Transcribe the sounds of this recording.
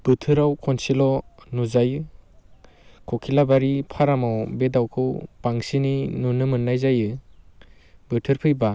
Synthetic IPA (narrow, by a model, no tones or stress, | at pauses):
b̥ɯtʰɯɾawkʰɔnsilɔnuzajɯ | kʰɔkʰilabaɾipʰaɾamawbedawkʰɯwpaŋsininunɯmɯnːajzajɯ | bɯtʰɯɾpʰɯjba